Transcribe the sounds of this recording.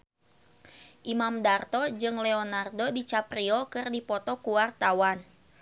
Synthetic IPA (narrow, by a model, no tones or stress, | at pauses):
ʔimamdart̪ɔd͡ʒɨŋlɛɔnardodit͡ʃapɾiɔkɨrdipɔt̪ɔkuwart̪awan